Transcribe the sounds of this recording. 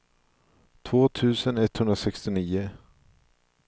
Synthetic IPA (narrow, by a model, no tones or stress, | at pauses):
t̪ʰv̥oːt̪ʰʉ̟ːsənɛt̪ːhɵnd̪ɾasɛkst̪ɪniːʊ